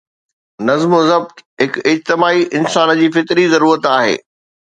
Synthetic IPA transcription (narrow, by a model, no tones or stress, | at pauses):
nɐzmzɐb̚t̪ɦɪkɪd͡ʑt̪ɪmaːiʔɪnsaːn̆d͡ʑiːfɪt̪ɾizɐɾuːɾət̪aːɦḛː